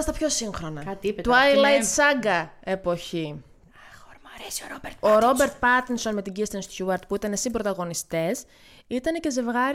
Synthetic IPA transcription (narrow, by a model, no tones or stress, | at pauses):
st̪ɐpço̞siŋxɾo̞nɐɐt̪t̪uɐjlɐjt̪sɐɡɐe̞po̞çi | boɾo̞be̞ɾt̪̚pɐt̪inso̞nme̞t̪iɟist̪ensçuɐɾt̪puit̪ɐnesimbɾo̞t̪ɐɣo̞nist̪e̞s | it̪ɐne̞ce̞ze̞vɣɐɾ